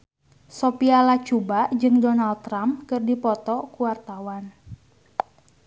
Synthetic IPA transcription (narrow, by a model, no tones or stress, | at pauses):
sɔpialat͡ʃubaʔd͡ʒɨŋdɔnalt̪̚ːɾamkɨrdipɔt̪ɔkuwart̪awan